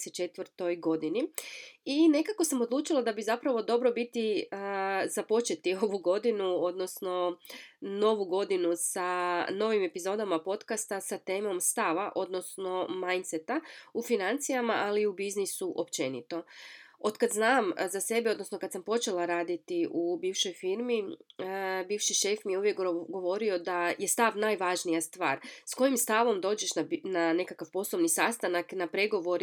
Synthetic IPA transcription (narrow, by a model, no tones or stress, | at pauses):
set͡ʃe̞t̪ʋəɾt̪o̞jɡo̞d̪iniine̞kako̞samo̞d̪lˠuːt͡ʃilˠad̪abizapɾaʋo̞d̪o̞bɾo̞bit̪iəzapo̞t͡ʃe̞t̪io̞ʋuɡo̞d̪inuo̞d̪no̞sno̞ | no̞ʋuɡo̞d̪inusano̞ʋime̞pizo̞d̪amapo̞t̪kast̪asat̪e̞ːmo̞mst̪aʋaʔo̞d̪no̞sno̞majnt̪set̪aufinant̪sijamaʔaliubiznisuʔo̞pt͡ʃe̞nḭt̪o̞o̞d̪kad̪znaːmzase̞beo̞d̪no̞sno̞kad̪sampo̞t͡ʃe̞laɾaːd̪it̪iʔubiːʋʃo̞jfiɾmi | biːʋʃiʃe̞fmijeuʋjekɡɡo̞ʋo̞ɾio̞d̪aje̞st̪aʋnaːjʋaʒnijast̪ʋa̰ːɾsko̞jimst̪aʋo̞md̪o̞ːd͡ʒeʃnanane̞kakaʋpo̞slˠoʋnisast̪anaknapɾe̞ɡo̞ʋo̞ɾ